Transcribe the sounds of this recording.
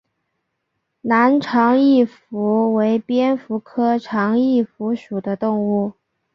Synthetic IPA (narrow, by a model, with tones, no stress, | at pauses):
na˧˥nʈ͡ʂʰɑ˧˥ŋi˥˩fu˧˥we˧˥ɪpjɛ˥nfu˧˥kʰɤ˥ʈ͡ʂʰɑ˧˥ŋi˥˩fu˧˥ʂu˨˩d̪ə˦t̪ʊ˥˧ŋu˥˩